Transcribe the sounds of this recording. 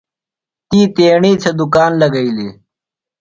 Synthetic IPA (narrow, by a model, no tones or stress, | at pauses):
t̪iːt̪eːɳiːt͡sʰɐd̪ukaːnlɐɡɐiliː